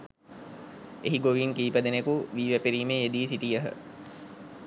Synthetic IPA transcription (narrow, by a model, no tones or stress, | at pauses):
eɦiɡoʋiŋkiːpəd̪enekuʋiːʋæpiɾiːmeed̪iːsiʈijəɦə̰